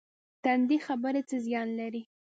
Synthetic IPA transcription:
t̪and̪ixabəɾet͡səzjɑnlaɾi

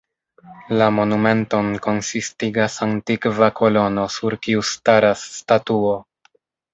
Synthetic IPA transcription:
lamo̞nume̞nto̞nko̞nsistiɡasantikvako̞lo̞no̞suɾkiustaɾasːtatuo̞

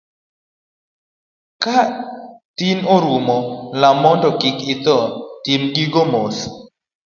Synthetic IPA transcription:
kat̪inoɾumɔlamɔndɔkɪkɪt̪ɔt̪imɡiɡomos

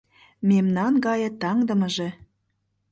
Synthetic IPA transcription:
memnɑnɡɑjɤ̆t̪ɑŋd̪ə̆mə̆ʒĕ

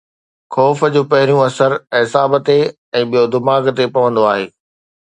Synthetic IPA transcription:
xɔːfəd͡ʑoːpɐɦɪɾijũɐsəɾɦɪsaːbt̪e | ɛ̃ːɓijod̪ɪmaːɡt̪epɐʋə̃nd̪oaːɦeː

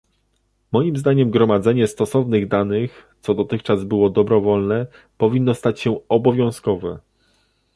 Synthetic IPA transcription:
mɔjimzd̪aɲɛmɡɾɔmad̪zɛɲɛst̪ɔsɔvnɘɣd̪anɘxt̪sɔd̪ɔt̪ɘxt͡ʂazbɘwɔd̪ɔbɾɔvɔlnɛ | pɔvʲinːɔst̪at͡ɕɕɛɔbɔvʲjɔ̃w̃skɔvɛ

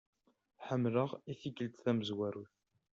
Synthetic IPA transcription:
ħəmːləʁiθikəlt̪θæməzwæɾuθ

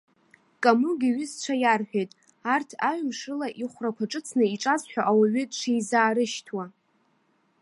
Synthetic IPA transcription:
kʼamuɡʲiɥɪzt͡ʃʷʰajarħʷᶣejtʼ | artʰaɥmʂɨlaʔiχʷrakʷʰaʈ͡ʂʼɨt͡sʰnɨiʈ͡ʂʼazħʷᶣaʔawaɥɪtʼʂejzaːɾɨʃtʰwa

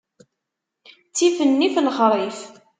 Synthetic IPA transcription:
t͡sːifənːifləχɾˤif

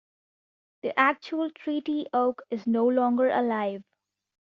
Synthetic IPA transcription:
d̪̥iʔæk̚t͡ʃuəlʈʰɾiːʈiʔoʊkɪznoːlɔ̃ːŋɡəɾʔə̰laɪʋ

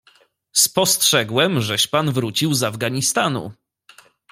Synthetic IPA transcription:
spɔstʂɛɡwɛmʐɛɕpanvɾut͡ɕiwzavɡaɲist̪anṵ

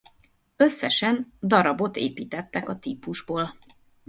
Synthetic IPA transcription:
øsːɛʃɛnd̪ɒɾɒbo̞t̪eːpiːt̪ɛt̪ːɛkɒt̪iːpuʒboːl

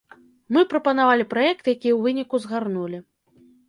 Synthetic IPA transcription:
mɨpɾɐpɐnavalʲipɾajɛkt̪ɨjakʲijɛwvɨnʲikuzɣarnulʲi

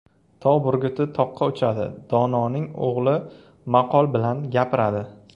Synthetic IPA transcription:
t̪ʰɒbʊɾɡʲʊt̪ʰɪt̪ʰɒqʰːɑʊt͡ʃʰad̪ɪ̰d̪̥ɒnɒnɪŋoʁlˠɪ | maqʰɒlˠbɪlanɡʲapʰɪɾad̪ɪ

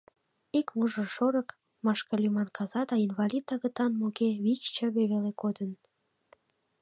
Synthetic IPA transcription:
ikmuʒə̆ʃoɾə̆k | mɑʃkɑlʲymɑnkɑzɑd̪ɑinvɑlʲit̪̚ːɑɣət̪ɑnmokeβit͡ɕt͡ɕəβeβelekod̪ən

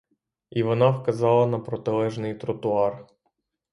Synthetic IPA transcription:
iʋɔnɑfkɐzɑlˠɐnɐpɾɔt̪ɪlˠɛʒnɪjt̪ɾɔt̪ʊɑr

